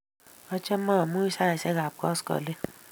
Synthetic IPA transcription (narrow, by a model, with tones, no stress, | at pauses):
ɔ˧t͡ʃɛ˦mã˦˨mũ˦i˦sa˦ɛ˨sɛ˦ɡa˨b̚kɔ̰˦skɔ̰˨le˦